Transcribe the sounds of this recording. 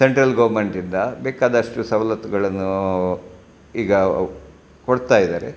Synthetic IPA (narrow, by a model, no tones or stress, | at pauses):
se̞ɳʈɾɐlɡɐʋɾmeɳʈind̪ɐbɛːkaːd̪ɐʂʈusɐʋlɐt̪uɡɐɭɐnːu | iːɡɐ | koɽt̪aːjid̪a̰ːɾḛ